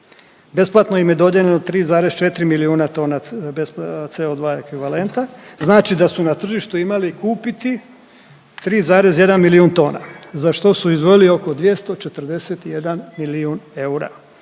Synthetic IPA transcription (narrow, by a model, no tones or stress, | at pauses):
be̞splˠat̪no̞imje̞d̪o̞d̪jeʎenot̪ɾiːzaːɾest͡ʃe̞t̪ɾimiliuːnat̪o̞ːnabest̪seo̞d̪ʋaːe̞kʋiʋale̞nt̪aznaːt͡ʃid̪asunat̪r̩ʒiʃt̪uimalikuːpit̪i | t̪ɾiːzaːɾe̞zje̞d̪anmiliunt̪o̞ːna̰zaʃt̪o̞suizʋo̞jilio̞ko̞d̪ʋje̞st̪o̞t͡ʃe̞t̪r̩d̪e̞set̪ijed̪anmiliune̞uɾa̰